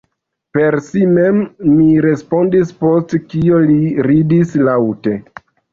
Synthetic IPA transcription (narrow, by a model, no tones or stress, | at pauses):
pe̞ɾsime̞mːiɾe̞spo̞ndispo̞stkio̞liɾidislawte̞